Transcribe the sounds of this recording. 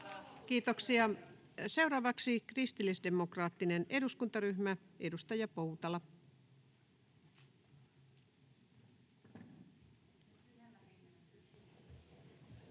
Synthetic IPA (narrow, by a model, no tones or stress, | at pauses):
kiːt̪oksiɑ | se̞uɾɑːʋɑksikrist̪ilːisde̞mokrɑːt̪ːinene̞duskunt̪ɑɾyhmæe̞dust̪ɑjɑpowt̪ɑlɑ